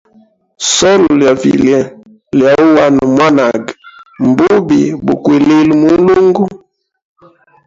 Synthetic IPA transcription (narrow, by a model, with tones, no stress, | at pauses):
sɔ˦llja˨vḭ˨lɛ˨ | lja˨u˦wa˦n˨mwa˦na˨ɡm˨bu˦bi˨bṵ˨kwe˨le˦lmu˨˦lu˦ŋɡu˦